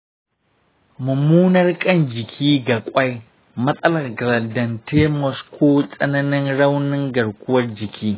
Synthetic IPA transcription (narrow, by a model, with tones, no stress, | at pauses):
mʊ˨muː˦nɐ˦rkʼɐ˦˨nd͡ʒɪ˨kʲʰiː˦ɡa˨kʷʼa˦j | mɐ˦sʼɐ˦lɐ˨rɡlɐ˨dɐ˨nteː˦mɔ˨skʰʷoː˦sʼɐ˦nɐ˦nɪ˦nɽa˦wnɪ˦ŋɡɐ˨ɽkʷʊ˦wɐ˦rd͡ʒɪ˨kʲʰiː˦